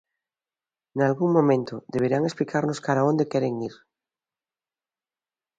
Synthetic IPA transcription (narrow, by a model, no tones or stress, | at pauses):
nalɣuŋmõmẽnt̪oðeβ̞eɾaŋesplikʰaɾnoskaɾaõnd̪ekeɾeŋiɾ